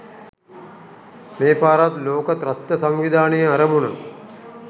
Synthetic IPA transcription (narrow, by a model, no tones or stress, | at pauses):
meːpaːɾat̪loːkət̪ɾɐt̪ːɐsaŋʋid̪ʱaːnijəɐɾəmunɐ̰